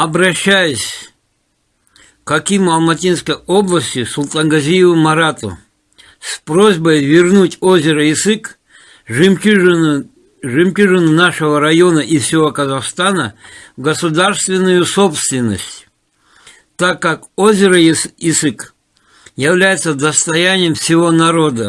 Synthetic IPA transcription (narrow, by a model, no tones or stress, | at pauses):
ɐbɾɐɕːajʊsʲ | kɐkʲimɐlˠmɐtʲinskəjo̞blˠəsʲtʲɪsʊlˠt̪ʼanɡɐzʲijɪvɨmɐɾat̪ʊ̰ | spɾo̞zʲbəjvʲɪrnutʲozʲɪɾəɪzɨk | ʐmʲ | ʐɨmkʲuʐɨnɨnaʂəvəɾɐjo̞nəʔifsʲɪvo̞kəzɐxst̪anəɡəsʊd̪arst̪vʲɪnːʊjʊso̞pst̪vʲɪnːə̰sʲtʲ | t̪akːakozʲɪɾəɪzɨk | jɪvlʲæjɪt̪səd̪əst̪ɐjænʲɪjəmfsʲɪvo̞nɐɾo̞d̪ə